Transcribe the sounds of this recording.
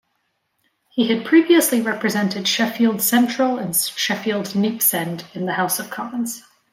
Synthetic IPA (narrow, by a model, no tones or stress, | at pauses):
hiɨd̚pʰɹ̥iviəsliɹɛpɹɨzɛ̃ntʰɨd̥ʃɛfilˠd̥sɛ̃nt͡ʃɹ̥əl̩ˠə̃nʃɛfilˠdnipsɛ̃ndɨ̃nðəhaʊsʌv̥kʰɑmə̃nz̥